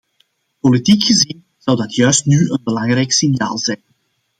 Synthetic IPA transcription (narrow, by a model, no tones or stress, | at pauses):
politikxəzin | z̥ɑwdɑtʰjœɥstnyʔənbəlɑŋrɛjksinja̰ːlˠzɛjn